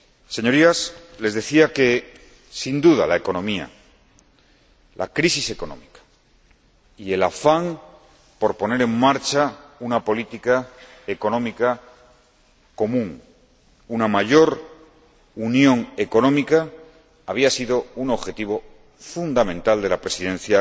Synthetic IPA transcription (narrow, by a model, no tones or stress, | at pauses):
se̞ɲo̞ɾiasle̞zðe̞θiake̞ | sind̪uða̰lae̞ko̞nõ̞mia̰ | lʔa̰kɾisise̞ko̞nõ̞̰mikḁ | ie̞lafaŋ | po̞ɾpo̞ne̞ɾe̞ŋmaɾt͡ʃaunapo̞lit̪ikae̞ko̞nõ̞mika | ko̞mũŋ | unamaʝo̞ɾ | unjõ̞ŋe̞ko̞nõ̞mikaː | βiasiðo̞uno̞βxe̞t̪iβ̞o̞ | fund̪amẽnt̪ald̪e̞lapɾe̞siðe̞n̟θja